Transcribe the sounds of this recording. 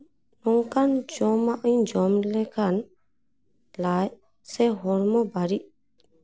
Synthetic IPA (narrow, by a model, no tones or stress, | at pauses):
nɔŋkand͡ʒɔmaʔiɲd͡ʒɔmlɛkan | laj | sɛɦɔɾmɔbaɾiʔ